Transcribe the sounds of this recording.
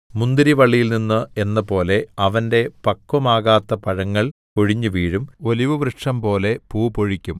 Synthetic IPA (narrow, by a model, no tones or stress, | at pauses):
mund̪iɾiʋɐɭːijilninːɨe̞nːɐpo̞ːle̞ɐʋɐnde̞pɐkːɐmaːɣaːt̪ːɐpɐɻɐŋːɐɭ | koɻiɲːɨʋiːɻumo̞liʋɨʋɾɨʂɐmpo̞ːle̞puːboɻikʲːum